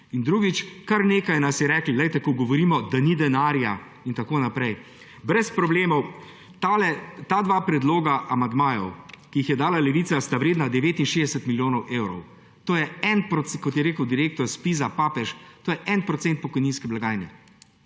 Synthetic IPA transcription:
ind̪ɾuːɡit͡ʃkaɾneːkajnasjɛɾɛːklilɛjt̪ɛkɔɡɔʋɔɾiːmɔd̪anid̪ɛnaːɾja | int̪akoːnapɾɛj | bɾɛspɾɔbleːmɔw | lɛt̪ad̪ʋaːpɾɛd̪loːɡaʔamand̪maːjɔ̰wkiixjɛd̪aːlalɛʋiːt̪sast̪aʋɾeːd̪nad̪ɛʋeːt̪inʃeːd̪ɛsɛt̪miljoːnɔwʔeːwɾɔ̰w | t̪oːjɛɛnpɾɔkɔt̪jɛɾeːkəwd̪iɾeːk̚t̪ɔɾspizapaːpɛʃt̪oːjɛʔɛnpɾɔt̪sɛnt̪̚pɔkɔjninskɛblaɡaːjnɛ

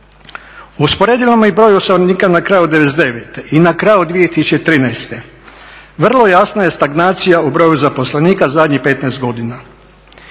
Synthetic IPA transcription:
uspoɾe̞ːd̪ilomoibɾo̞josoniːkanakɾajud̪eʋed̪eʋet̪eʔinakɾajud̪ʋijet̪isu̥t͡ʃet̪ɾiːnɛjst̪e̞ | ʋr̩lˠo̞jasnaje̞st̪aɡnaːt̪sijaubɾo̞juzapo̞sleniːkazad̪ɲixpe̞t̪najst̪ɡo̞d̪ina

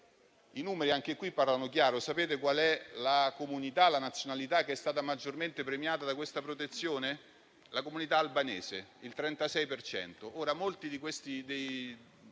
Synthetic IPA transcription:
inuːmeɾiaŋk̟ekwipːarlanok̬jaːɾosapeːt̪ekwalɛlakomunit̪alanat̪sjonalit̪akːeɛst̪aːt̪amad͡ʒːorment̪epɾemjaːt̪ad̪akwest̪apɾot̪et̪sːjoːne | lakomunit̪aːlbaneːseilt̪ɾɛnt̪asɛjpert͡ʃɛ̰nt̪oʔoːɾamolt̪id̪ikwest̪id̪ej

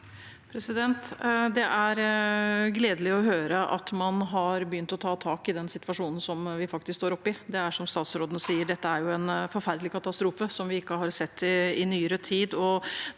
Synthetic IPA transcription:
pʰɾɛsɪd̪ɛnt̪d̪ɛʔæɾ | ɡleːd̪əlɪɔɦøːɾəʔɑ̰t̪mɑnɦɑɾbjʏnt̪ɔt̪ʰɑːt̪ʰɑːkɪd̪ɛnsɪt̪ʋɑʂuːnn̩sɔmʋɪfɑk̚t̪ɪskst̪oːɾɔpːɪd̪ɛæʂɔmst̪ɑːt̪sɾoːd̪ənəsiːəɖɛt̪ːəæɾjʊɛnfɔɾfæɾd̪lɪkʰɑt̪ɑst̪ɾuːfəsɔmʋɪɪkːəɦɑɾsɛt̪ːɪɪnyːəɾət̪ʰiːd̪ɔ

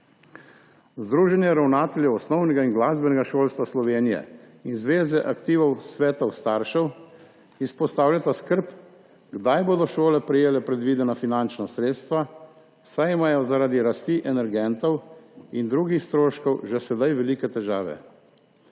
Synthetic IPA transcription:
zd̪ɾuːʒɛnjɛɾawnaːt̪ɛljɛwɔsnɔwnɛɡainɡlaːzbɛnɛɡaʃoːlst̪ʋaslɔʋeːnijɛ̰ | inzʋeːzɛʔakt̪iːʋɔwsʋɛːt̪ɔwst̪aːɾʃɛw | ispɔst̪aːwljat̪askəɾp | ɡd̪ajboːd̪ɔʃoːlɛpɾɛjeːlɛpɾɛd̪ʋiːd̪ɛnafinant͡ʃnasɾeːt̪st̪ʋa | sajimaːjɔzaɾaːd̪iɾast̪iʔɛnɛɾɡɛnt̪ɔwind̪ɾuːɡixst̪ɾoːʃkɔwʒɛsɛd̪ajʋɛliːkɛt̪ɛʒaːʋɛ̰

